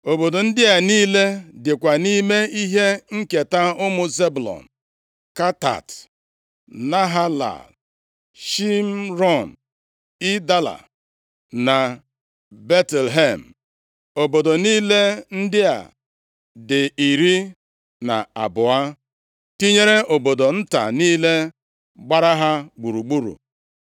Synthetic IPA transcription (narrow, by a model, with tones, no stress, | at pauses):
o˨bo˨do˨n̩˦dɪ˦a˨niː˦le˦dɪ˨kʷa˨ni˦me˦i˦ɦe˦ŋ̩˦ke˨ta˦ʊ˦mʊ˨ze˦bʊ˨lɔ̰˨n̩ | ka˦ta̰˨t | na˦ɦa˦la̰˨l | ʃi˦m̩˦ɾɔ˦˨n̩˨ | i˦da˦la̰˨ | na˨ | be˦tɛ˨lɦe˦˨m̩˨ | o˨bo˨do˨niː˦le˦n̩˦dɪ˦a̰˨ | dɪ˨i˨ɾi˦ | na̰˨a˨bʊ˨a˦ | ti˦ɲe˦ɾe˦ʔo˨bo˨do˨n̩˦ta̰˨niː˦le˦ | ɡ͡ba˦ɾa˦ɦa˦ɡ͡bu˨ɾu˨ɡ͡bu˦ɾṵ˨